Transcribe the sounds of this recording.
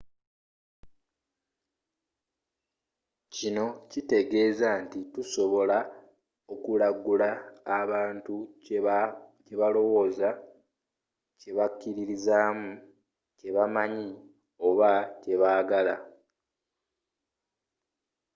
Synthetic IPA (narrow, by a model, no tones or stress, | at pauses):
cino̞cite̞ɡe̞ːzantituso̞βo̞la | o̞kulaɡulaːβaːntu | ce̞βalo̞wo̞ːza | ce̞βakːiɾiɾizaːmu | ce̞βamaɲi | o̞βace̞βaːɡala̰